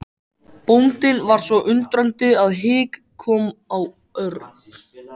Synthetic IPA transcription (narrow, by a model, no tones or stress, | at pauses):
pownt̪ɪnvaɾ̥svɔʔʏnt̪ɾœnt̪ʏaðɦɪːk | kʰːɔːmaw | œɾ